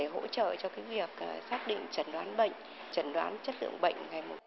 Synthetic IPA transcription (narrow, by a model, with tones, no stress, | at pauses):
e˧˩ɦo̰˧˥t͡ɕə̰ː˧˨t͡ɕɔ˧kaː˨˦vi˨˩ək̚ːsaː˦˥t̚ɗḭ̈˧˨ŋ̟t͡ɕə˨˧˩nɗwaː˨˦nɓə̰˧˨jŋ̟ | t͡ɕə˧˩nɗwaː˨˦nt͡ɕə˦˥t̚lɨ̰˧˨əŋɓə̰˧˨jŋ̟ŋa˨˩jmo˨˩t̚